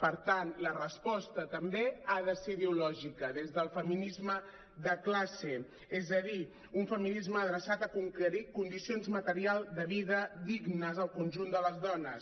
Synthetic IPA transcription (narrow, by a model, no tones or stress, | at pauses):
pəɾt̪anlərəspɔst̪ət̪əmbeaðəseiðeulɔʒikəðezðəlˠfəminizmə | ðəklase | ezəð̞i | uɱfəminizməːðɾəsat̪əkuŋkəɾikund̪isionzmət̪əɾialˠd̪əβiðəd̪iɡnəzəlˠkunʲʒund̪ələzðɔnəs